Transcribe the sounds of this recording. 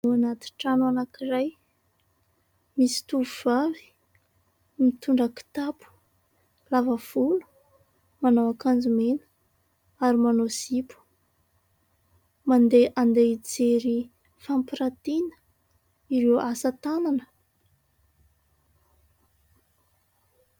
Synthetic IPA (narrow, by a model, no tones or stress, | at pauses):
anat̪i̥ʈ͡ʂanuanakiɾaj | misi̥t̪uvuv̥avi̥ | mit̪uɳɖ͡ʐaki̥t̪apu̥ | lavav̥ulu̥ | manowakand͡zumenə̥ | aɾimanosipu̥ | mand̪eʔand̪ed͡zeɾi | fampiɾat̪inə̥ | iɾewʔasət̪ananə